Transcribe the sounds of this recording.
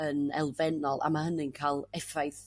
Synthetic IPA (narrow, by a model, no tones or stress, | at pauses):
ənɛ̰lˠvɛnɔlˠʔa̰mahənɪnkʰaːlˠɛfajθ